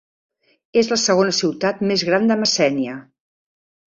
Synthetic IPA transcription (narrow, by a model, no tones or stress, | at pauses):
ezləsəɣ̞onəsiwt̪at̪mezɣɾand̪əməsɛniə